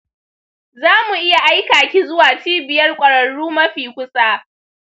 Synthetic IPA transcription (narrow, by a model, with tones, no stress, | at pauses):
zaː˦mu˨ʔɪ˦ja˨ʔa˦jkaː˨kʲi˦zʊ˦waː˨t͡ʃiː˦bɪ˨jɐ˦rkʷʼɐ˨ɽɐ˨ɽuː˦mɐ˦ɸiː˨kʷʊ˦sʼaː˦